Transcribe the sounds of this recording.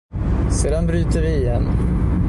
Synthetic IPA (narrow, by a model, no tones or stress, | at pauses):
seːd̪anbɾyːt̪əɾvɪɛn